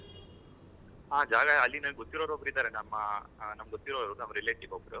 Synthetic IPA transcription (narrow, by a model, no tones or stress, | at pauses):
ɦaːd͡ʒaːɡɐɐlːinɐnɡɡot̪ːiɾoːɾoːɡɾid̪aːɾenɐmːɐnɐmɐɡot̪ːiɾoːɾonɐmɐɾileːʈiɡobɾu